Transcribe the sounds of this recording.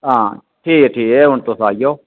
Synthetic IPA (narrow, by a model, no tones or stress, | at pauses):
ɦãːʈʰiːkeʈʰiːkeʊɳt̪osaːijoː